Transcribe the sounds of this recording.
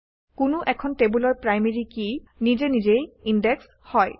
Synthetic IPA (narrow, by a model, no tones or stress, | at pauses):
kʊnʊʔɛkʰɔnʈebulɔɹpɹajmeɹikinizenizejinɖeks | hɔj